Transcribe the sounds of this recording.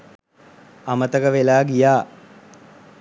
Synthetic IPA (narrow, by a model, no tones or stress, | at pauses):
amət̪əɡəʋelaːɡijaː